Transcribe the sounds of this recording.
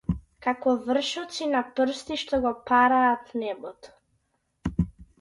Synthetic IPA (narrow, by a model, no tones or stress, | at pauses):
kakɔvr̩ʃɔt̪sinapr̩st̪iʃt̪ɔɡɔpaɾaːt̪nɛbɔt̪ɔ̥